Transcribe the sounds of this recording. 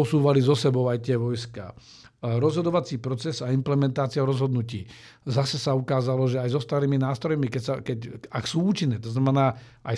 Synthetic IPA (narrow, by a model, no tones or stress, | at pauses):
ɔsuːʋalizɔsɛbɔʊajt̪ɪɛʋɔjska̰ː | ɾɔzɦɔd̪ɔʋat͡siːpɾɔt͡sɛzaimplɛmɛnt̪aːt͡siaɾɔzɦɔd̪nucḭː | zasɛsaukaːzalɔʒɛajzɔst̪aɾiːminaːst̪ɾɔjmikɛcsakɛcaksuːuːt͡ʃinːɛːt̪ɔznamɛnaː | ʔaj